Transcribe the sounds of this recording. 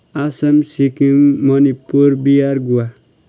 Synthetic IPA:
asəmsikimːʌnipːuɾbijaɾɡuwa

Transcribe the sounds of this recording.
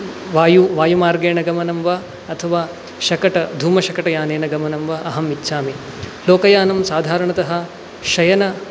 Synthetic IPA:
ʋaːjuʋaːjumaːɾɡeːɳɐɡɐmɐnɐmʋɐ | ɐt̪ʰɐʋaː | ʃɐkɐʈɐd̪ʱuːmɐʃɐkɐʈɐjaːneːnɐɡɐmɐnɐmʋɐɐɦɐmitːʃʰaːme | loːkɐjaːnɐmsaːd̪ʱaːɾɐɳɐt̪ɐɦɐ̆ | ʃɐjɐnɐ

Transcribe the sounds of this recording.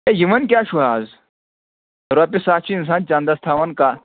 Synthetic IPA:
ejimɐnk̬ʲaːʃuaːz | ɾoɐp̬isaːt͡ʃʰiːns̬aːnt͡ʃãːnd̪ɐst̪ʰaːʋɐnka

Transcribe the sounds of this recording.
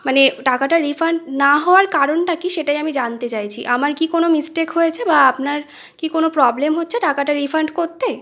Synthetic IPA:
maneʈakaʈaɾifʰaɳɖnaɦɔoaɾkaɾonʈakiʃeʈajamid͡ʑant̪et͡ɕajt͡ɕʰḭʔamaɾkikonomisʈekɦojet͡ɕʰebaapnaɾ | kikonopɾɔblemɦotːɕʰeʈakaʈaɾifaɳɖkoɾt̪e

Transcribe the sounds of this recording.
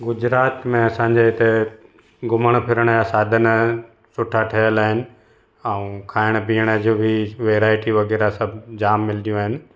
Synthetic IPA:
ɡʊd͡ʑɾaːt̪mẽɐsãːɲ̆d͡ʑeɦɪt̪e | ɡʊməɽ̃pʰɪɾəɽ̃jasaːd̪ʱən | sʊʈʰaʈʰɐɦjəlaːɦɪnɪ̆ | ɛũkʰaːɪɽ̃piːəɽ̃ə̆d͡ʑobʱiʋeːɾaːɪʈiʋɐɡɛːɾasɐbʱd͡ʑaːmːɪlɗ̪ijũaːɦɪnɪ̆

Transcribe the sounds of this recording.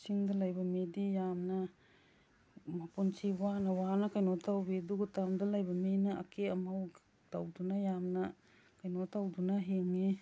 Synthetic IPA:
siŋdalajbɐmedijamnɐ | mapunsiwanɐwanɐkajnotʰawbeduɡutamdalajbɐmenaa̰kʰeɐmaw | dawdunajamnɐ | kajnotawdunaɦeŋi

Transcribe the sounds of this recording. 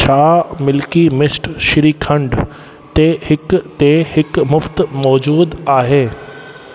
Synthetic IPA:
t͡ɕʰaːmɪlkimɪsʈʃɪɾiːkʰə̃ɳɖ | t̪ehɪkt̪ehɪkmʊft̪mɔːd͡ʑuːd̪aːɦeː

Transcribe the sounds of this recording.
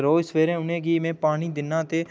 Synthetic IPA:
ɾoːɪsʋeːɾẽʊnẽːɡiːmẽːpaːniːd̪ɪnːãːt̪eː

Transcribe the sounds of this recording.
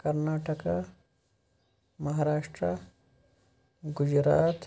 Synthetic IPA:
kɐɾnaːʈəka | mɐɦaːɾaːʂʈɾa | ɡʊd͡ʒɾa̰ːt̪

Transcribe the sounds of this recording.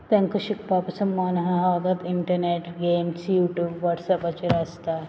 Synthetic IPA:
t̪ɐŋkɐʃik̚paːpɐsɐmːaːnɐɦɐɦaːɡɐt̪iɳʈɐɾneːʈɡeːmsjuːʈjuːbʋɐʈsɐpɐt͡ʃiɾaːst̪aː

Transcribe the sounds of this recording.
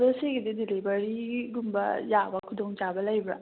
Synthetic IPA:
ɾoseɡididilibɐɾiɡumbɐ̰jabɐkʰudoŋt͡ʃabɐlajbɾɐ̰

